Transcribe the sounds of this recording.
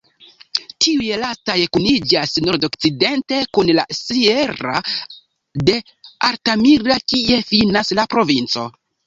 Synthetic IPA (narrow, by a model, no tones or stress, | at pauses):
tʰiujelastajekunid͡ʒasno̞ɾdokt͡side̞nte̞kunla̰sieɾa̰ | de̞ | aɾtamiɾakie̞finaslapɾo̞vint͡so̞̰